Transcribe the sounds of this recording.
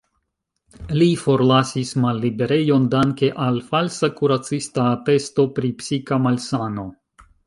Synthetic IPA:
lifo̞ɾlasismalːibe̞ɾe̞jo̞ndaŋke̞ʔalfalsakuɾat͡sistape̞sto̞pɾipsikamalsano̞

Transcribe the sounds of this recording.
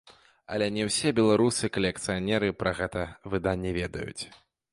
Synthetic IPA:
ɐ̰lʲɛnʲɛwsʲɛbʲɛlˠaɾusɨkɐlʲɛk̚t̪sɨjanʲɛɾɨpɾɐɣɛt̪ɐvɨd̪anʲːɛvʲɛd̪ɐ̰jṵt͡sʲ

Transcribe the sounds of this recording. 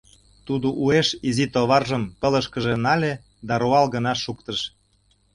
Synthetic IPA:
t̪ud̪oʔueʃizit̪oβɑrʒəmpələʃkəʒĕnɑlʲe | d̪ɑɾuɑlɣə̆nɑʃukt̪əʃ

